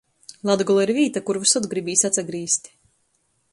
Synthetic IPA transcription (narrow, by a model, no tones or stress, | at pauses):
lˠad̪ɡɔlˠaiɾviːt̪akuɾvusɔd̪ɡɾibiːsʲat̪saɡɾiːst̪ʲ